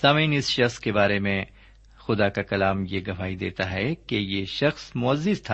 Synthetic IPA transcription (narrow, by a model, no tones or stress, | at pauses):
saːmiːnɪsʃɐxskebaːɾemẽ | xʊd̪akakɐlaːmjeɡɐʋaːid̪ḛːt̪aɦɛkejeʃɐxsmʊɐzːɪzt̪ʰa